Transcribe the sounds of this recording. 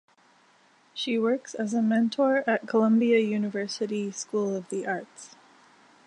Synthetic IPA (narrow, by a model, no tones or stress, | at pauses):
ʃiwɜ˞ksɨzəmɛ̃ntʰɔɹɨt̚kʰəlʌ̃mbiɨjʉnɨvɜ˞sɨɾiskulˠʌvðiʔɑɹts